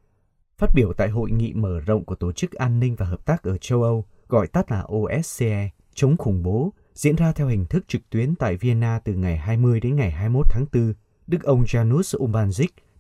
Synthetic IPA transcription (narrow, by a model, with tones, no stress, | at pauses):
faː˦˥t̚ɓi˧˩əwt̪a̰ː˧˨jɦo̰˧˨jŋḭ˧˨məː˧˩zə̰˧˨ŋ͡mku˧˩t̪o˧˩t͡ɕɨ˦˥k̚ʔaː˧nːï˧ŋ̟vaː˨˩ɦəː˨˩p̚t̪aː˦˥k̚ʔəː˧˩t͡ɕə˧wʔə˧w | ɣɔ̰˧˨jt̪ə˦˥t̚laː˨˩ʔo˧ʔɛ˦˥s̚se˧ʔɛ˧ | t͡ɕə˨˦wŋ͡mxʊ˧˩ŋ͡mɓo˨˦ | zḭ˧˥ənzaː˧t̪ʰɛ˧whï˨˩ŋ̟t̪ʰɨ˦˥k̚t͡ɕɨ˨˩k̚t̪wi˨˦ənt̪a̰ː˧˨jvi˧ə˧nːaː˧t̪ɨ˨˩ŋa˨˩jɦaː˧jmɨ˧əjɗe˨˦nŋa˨˩jɦaː˧jmo˦˥t̚t̪ʰaː˨˦ŋt̪ɨ˧ | ɗɨ˦˥k̚ʔə˧wŋ͡mzaː˧nu˦˥sʔo˧ɓaː˧nzi˦˥k̚